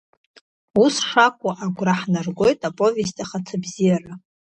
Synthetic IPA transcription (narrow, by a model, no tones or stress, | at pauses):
usʂakʷʼaʔaɡʷraħnarɡʷo̞jtʼapʼo̞ve̞stʼaχat͡sʰabzijara